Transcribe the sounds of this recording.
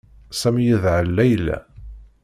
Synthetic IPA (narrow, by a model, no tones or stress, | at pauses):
sæmijiðʕəlːæjlæ̰